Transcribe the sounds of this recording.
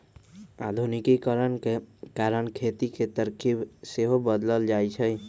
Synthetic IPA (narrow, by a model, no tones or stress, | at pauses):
a̰d̪ʱunikikəɾənkekaɾənkʰet̪iket̪əɾkʰibseɦobəd̪ləld͡ʒajt͡ʃʰəj